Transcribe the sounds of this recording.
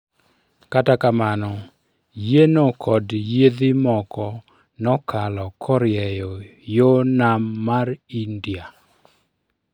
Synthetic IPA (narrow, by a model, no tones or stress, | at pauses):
katakamanɔ | jenokʰɔdjeðɪmɔkɔ | nɔkʰalɔkʰɔɾjɛjɔjonamːaɾindja